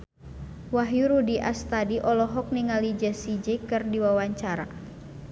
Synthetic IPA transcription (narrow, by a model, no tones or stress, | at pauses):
waɦjuɾudiʔa̰st̪adiʔɔlɔɦɔk̚niŋalid͡ʒəsid͡ʒikɨrdiwawaɲt͡ʃaɾa̰